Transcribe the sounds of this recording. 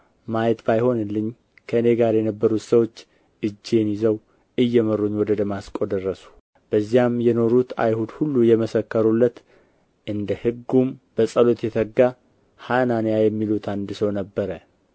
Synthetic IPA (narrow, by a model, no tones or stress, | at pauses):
majɛt̪bajho̞nɨlːɨɲː | kʰəɨne̞ɡaɾjɛnəbːəɾut̪səwo̞t͡ʃː | ʔɨd͡ʒːenjizəw | ɨjːɛmərːuɲːwɔd̪əd̪əmaskʼod̪ərːəsu̥ | b̥əzːijamjɛno̞ɾut̪ʰa̰jhud̪hulːujɛməsəkːəɾulːət̪ | ʔɨnd̪əhɨɡːumb̥əsʼəlo̞t̪jɛt̪ʰəɡːa | hananjajɛmːilut̪ʰand̪ɨsəwnəbːəɾə